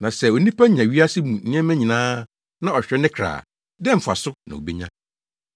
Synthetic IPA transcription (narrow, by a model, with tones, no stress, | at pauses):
nã˨sɛ˦o˨nĩ˦pʰa˦ɲ˨ã˨ɥi˦a˦sɪ˦mũ˨ñ̩˦ɛ˦mæ̃˦ɲĩ˨nãː˦ | nã˦ɔ˨ɕᶣɾɛ˦nɪ̃˦kʰɾa̰ː˨ | dɛ̃˦m̩˨fa̰˨sʊ˦nã̰˨o̰˨be˦ɲã̰˦